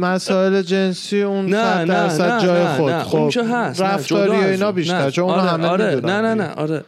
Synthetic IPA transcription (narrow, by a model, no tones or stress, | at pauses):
mæsɒːe̞le̞d͡ʒe̞nsiːunsæt̪d̪æɾsæd̪̚d͡ʒɒːjexod̪xobɦæɾæft̪ɒːɾieiːnɒːbiːʃt̪æɾt͡ʃʰonunɔæmemid̪uːnænænæʔɒ̰ɾe